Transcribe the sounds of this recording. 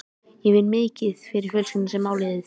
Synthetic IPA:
jɛvɪlmɪːcɪðfɪɾɪɾ̥fɛlsʏnsɛmːaːwlɛːðɪθ

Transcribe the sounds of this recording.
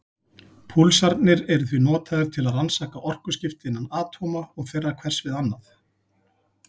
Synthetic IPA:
pʰulsaɾt̪nɪɾɛɾʏθvinɔːt̪ʰaðʏɾ̥t̪ʰɪlaðransaːkaʔɔr̥kʏ̥scɪft̪ɪɪnːanaːt̪ʰɔmaɔɣθejrːakʰvɛr̥svɪðanːaθ

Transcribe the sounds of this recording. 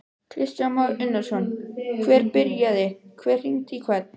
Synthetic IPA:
kʰɾɪst̪anmɔɾʏnːaɾ̥sɔnkʰvɛːɾpɪɾjaðɪkʰvɛːr̥iŋt̪ʰikʰvat̪̚n

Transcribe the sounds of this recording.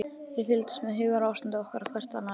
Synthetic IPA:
jɪfɪlt̪ḁst̪mɛðɦʏːɣaɾawsɪnt̪ɪɔhkaɾakʰvɛr̥t̪ana

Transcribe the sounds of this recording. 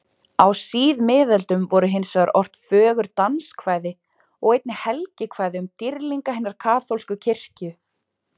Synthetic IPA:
awsiːðmɪːðalt̪ʏmvɔɾʏɦɪnsaɣaɾʔɔr̥t̪fœːɣʏɾt̪anskʰvaːjðɪ | ɔɣejt̪̚nɪhɛlcɪkʰvaːjðɪʏmt̪iɾliŋkahɪnːaɾ̥kʰaːθolskʏcʰɪr̥cʏ

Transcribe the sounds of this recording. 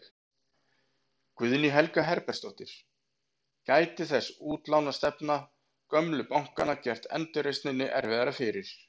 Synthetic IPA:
kvʏðniɦɛlkaɦɛɾpɛɾ̥st̪owht̪ɪɾ̥ | kaːjt̪ɪθɛsuːt̪lawnast̪ɛpna | kœmlʏpawŋ̥kanacɛr̥t̪ɛ̰nt̪ʏɾejst̪nɪnːɪʔɛɾvɪðaɾafɪɾɪɾ̥

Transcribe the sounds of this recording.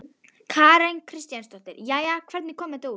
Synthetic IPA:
kʰaːɾɛŋkʰɾɪst̪janst̪ɔht̪ɪ̰ɾjajakʰvɛɾt̪nikʰɔmɛt̪o

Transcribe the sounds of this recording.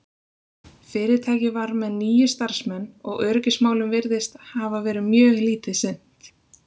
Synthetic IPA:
fɪːɾɪt̪ʰaːjcɪvaɾmɛðniːjʏst̪aɾ̥smɛnːɔɣœɾcɪsmaːwlʏmvɪɾðɪst̪havavɛːɾɪðmjœːɣliːt̪ɪsɪn̥t̪

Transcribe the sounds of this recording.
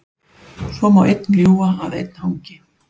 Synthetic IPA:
sɔmawʔejt̪̚nljuːaːðḛjt̪̚nhawŋcɪ

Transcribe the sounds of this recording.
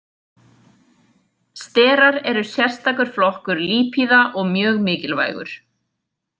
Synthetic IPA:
st̪ɛːɾaɾɛɾʏsjɛr̥st̪ʰakʏɾ̥flɔhkʏɾliːpʰiðaʔɔɣmjœːɣmɪːcɪlva̰ːjɣʏ̰ɾ̥

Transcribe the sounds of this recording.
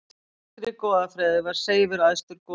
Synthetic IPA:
ɾɪkɔːðafɾɛːðɪvaɾ̥seːjvʏɾajst̪ʏɾkɔ

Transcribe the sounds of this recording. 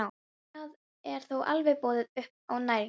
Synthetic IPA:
a | að | ɛɾ̥θowʔa̰lvɛpɔːðɪðʏhpawnaːjɾ

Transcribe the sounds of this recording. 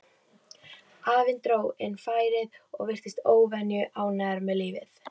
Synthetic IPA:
aːvɪnt̪ɾoːwɛnːfaːjɾɪðɔ̰ɣvɪr̥t̪ɪst̪oːwvɛnjʏʔaːwnɛɾmɛðliːvɪ̰θ

